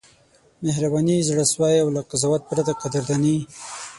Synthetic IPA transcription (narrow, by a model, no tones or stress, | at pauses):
mehɾabɑnizɽəswɑjawlaqazɑwat̪̚pɾad̪aqad̪ɪɾd̪ani